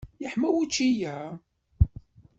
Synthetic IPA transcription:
jəħmæwit͡ʃːijæ

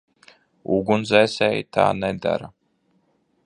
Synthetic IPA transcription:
uɡunzɛjsɛːjt̪ʰa̰ːnɛd̪a̰ɾa

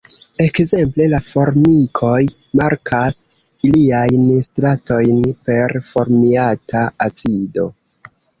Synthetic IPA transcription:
e̞kze̞mple̞lafo̞ɾmikʰo̞j | maɾkʰas | iliajnstɾato̞jnpe̞ɾfo̞ɾmiatʰaat͡sido̞̰

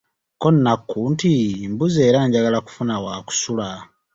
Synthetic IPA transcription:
konːakːuntimbuze̞ːɾaɲɟaɡalaku̥funawaːku̥sula

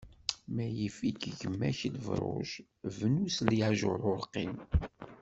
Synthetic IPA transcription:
mæjifikʝəmːæçləvɾˤʊ̰ʒ | vnusliʕʒʊɾˤʊɾqːim

